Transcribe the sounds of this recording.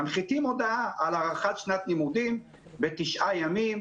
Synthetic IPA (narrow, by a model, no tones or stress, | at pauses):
amχit̪imod̪aalaʁaχat̪ʃnat̪nimud̪im | bet̪iʃʔajamim